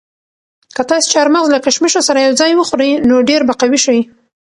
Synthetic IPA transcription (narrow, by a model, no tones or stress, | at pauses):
kət̪ɑse̥t͡ʃaɾmaɣzlakaʃmiʃosaɾajawd͡zɑjwəxoɾəjnoɖeɾbaqawiʃawi